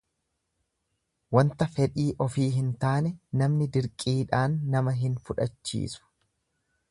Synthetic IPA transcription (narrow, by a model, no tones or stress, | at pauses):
wɐnt̪ɐfɛᶑiːʔɔfiːɦɪnt̪aːnɛnɐmnɪd̪ɪɾkʼiːᶑaːnːɐmɐɦɪnfʊᶑɐt͡ʃːḭːsʊ̥